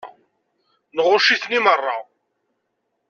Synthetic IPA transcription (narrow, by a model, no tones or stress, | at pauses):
nʁʊʃiθnimərˤːɑ